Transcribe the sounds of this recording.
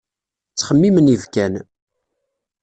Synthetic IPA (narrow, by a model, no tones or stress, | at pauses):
t͡sːχəmːimənivkæn